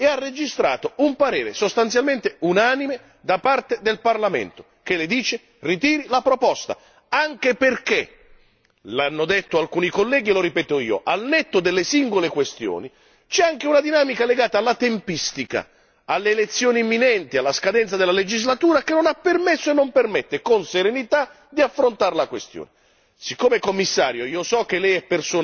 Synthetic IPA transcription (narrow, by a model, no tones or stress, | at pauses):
earːed͡ʒist̪ɾa̰ːt̪oumpaɾḛːɾḛsost̪ant̪sjalment̪eunaːnime | d̪apart̪ed̪elparlamḛnt̪o | k̟elɪd̪iːt͡ʃe | rit̪̬iːɾilapɾopɔst̪a̰ | aŋkeperkḛ | lanːod̪et̪ːoalkuːnikolːɛːɡiloɾipɛːt̪oḭːo̰ʔalnɛt̪ːod̪elːesiŋɡolekwest̪jo̰ːni | t͡ʃɛaŋk̟eunad̪inaːmikaleɡaːt̪aːlːat̪empist̪ika̰ | alːeːlet̪sːjoːniemːinɛnt̪ialːaskad̪ɛnt̪sad̪ɪlːaled͡ʒizlat̪uːɾak̟enːonapːermesːoenːompermɛt̪ːekonseɾenit̪a | d̪iafːɾont̪aɾlakwest̪jo̰ːne | sikːoːmekomːisːa̰ːɾjoiːosɔk̟ːelːɛjɛpːersoːn